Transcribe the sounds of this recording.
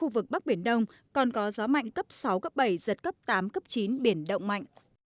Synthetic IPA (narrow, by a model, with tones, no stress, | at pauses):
u˧vɨ˨˩k̚ɓa˦˥k̚ɓi˧˩ənɗə˧wŋ͡m | kɔ˨˩nkɔ˨˦zɔ˨˦ma̰˧˨jŋ̟kə˦˥p̚sa˨˦wkə˦˥p̚ɓə˧˩jzə˨˩t̚kə˦˥p̚t̪aː˨˦mkə˦˥p̚t͡ɕi˨˦nɓi˧˩ənɗə̰˧˨wŋ͡mma̰˧˨jŋ̟